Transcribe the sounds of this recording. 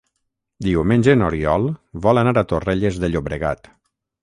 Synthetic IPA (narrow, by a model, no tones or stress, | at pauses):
d̪iwmenʲd͡ʒenoɾiɔlˠβɔlanaɾat̪oreʎezðeʎoβɾeɣa̰t̪